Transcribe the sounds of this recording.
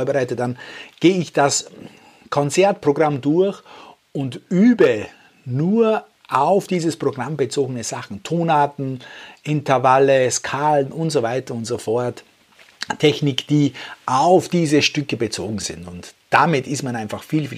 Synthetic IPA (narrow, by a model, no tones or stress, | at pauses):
ɐbəʁaɪtətd̥anɡ̥eːɪçd̥as | kʰɔnt͡sɛɐt̚pʁ̥oɡʁamdʊɐç | ʊntʔyːbə | nuːɐ | ʔaʊfd̥iːzəspʁ̥oɡʁambət͡soːɡənəz̥aχn̩tʰoːnaːtn̩ʔɪntɐvaləskʰaːlənʔʊntz̥ovaɪtɐʊntz̥ofɔɐt | tʰːɛçnɪkd̥iːʔaʊfd̥iːzəʃtʏkəbət͡so̰ːɡŋ̩z̥ɪ̰ntʊntd̥amɪtɪstmanaɪnfaχfiːlfiː